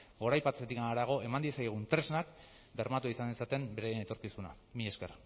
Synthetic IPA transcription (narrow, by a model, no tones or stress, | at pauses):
ɡo̞ɾajpatt͡set̪ikaɾaɣ̞o̞ʔe̞mand̪iesajɣ̞unt̪ɾe̞znak | ɡe̞ɾmat̪uaisanisat̪e̞mbeɾejene̞t̪o̞ɾkisuna̰ | mie̞sker